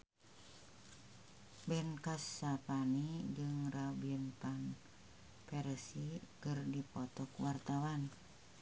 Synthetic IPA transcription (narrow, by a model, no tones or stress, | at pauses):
bɛnkasːapanid͡ʒɨŋrabinpan | pɛɾsikərdipɔt̪ɔkwart̪awan